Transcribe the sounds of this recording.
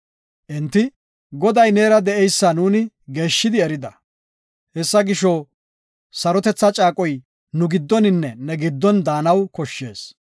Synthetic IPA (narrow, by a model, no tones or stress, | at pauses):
ʔɛnt̪ːɪ | ɡɔd̪ɐjne̞ːɾɐd̪ɛʔɛjsːɐnuːnɪ | ɡe̞ːʃːɪd̪ɪɛɾɪd̪ɐ | hɛsːɐɡɪʃɔ | sɐɾɔt̪ɛt͡sːɐt͡ʃʼaːkʼɔj | nʊɡɪd̪ːɔnɪnːɛnɛɡɪd̪ːɔnd̪aːnɐwkɔʃːe̞ːs